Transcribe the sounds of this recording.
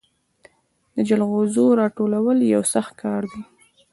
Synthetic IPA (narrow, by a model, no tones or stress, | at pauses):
d̪̥əd͡ʒalɣozoɾɑʈolawəljawsaxt̪̚kʰɑɾd̪i